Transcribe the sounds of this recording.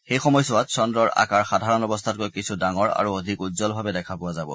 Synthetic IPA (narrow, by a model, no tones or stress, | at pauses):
xejxɔmɔjsʊatsɔndɹɔɹa̰kaɹxadʱaɹɔnɔbɔstʰat̚kojkisʰudaŋɔɹa̰ɹuodʱikutzɔlbʱabɛdɛkʰapʊwazabɔ̰